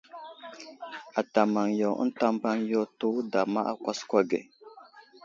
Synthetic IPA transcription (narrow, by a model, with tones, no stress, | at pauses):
a˨ta˨ma˨ŋjɔ˨˦n̩˦ta˦mba˦ŋjɔ˦to˦da˨ma̰˦ʔa̰˦˨kʷa˦skʷa˦ɡɛ̰˨